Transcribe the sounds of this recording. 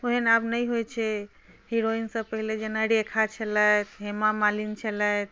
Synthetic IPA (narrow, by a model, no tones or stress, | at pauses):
oɦenabnəjɦojt͡ʃʰɛ | hiɾoinsə̃pəɦiled͡ʒenəɽekʰat͡ʃʰələt̪ʰɦemamalint͡ʃʰələjt̪̚ʰ